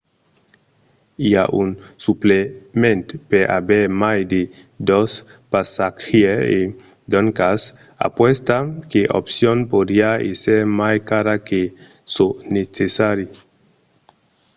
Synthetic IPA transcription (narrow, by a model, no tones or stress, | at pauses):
ia̰ʔunsuplemẽnt̪peɾʔa̰beɾmajd̪e | d̪ɔspasakxiee | d̪ɔŋkas | a̰pwɛst̪akeʔo̰psjonpod̪iaḛseɾmajkaɾake | sonet͡sesaɾi